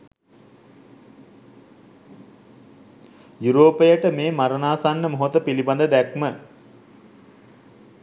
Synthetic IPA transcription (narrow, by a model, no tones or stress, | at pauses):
juɾoːpəjəʈəmeːmaɾənaːsanːəmoɦot̪əpiliband̪əd̪ækmə